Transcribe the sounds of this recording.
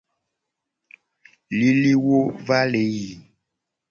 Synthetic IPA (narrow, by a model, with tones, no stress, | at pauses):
li˦li˦wo˦va˦le˨˦ji˨